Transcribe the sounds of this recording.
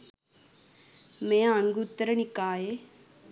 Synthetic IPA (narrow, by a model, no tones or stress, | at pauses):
mẽːaŋɡut̪ːəɾnɪkaːeː